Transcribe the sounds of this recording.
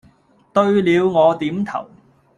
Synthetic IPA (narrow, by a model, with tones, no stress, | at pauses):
t̪ɵ˧ɥliː˨˧wŋɔː˨˧t̪iː˨˥mt̪ʰɐ̰˨˩w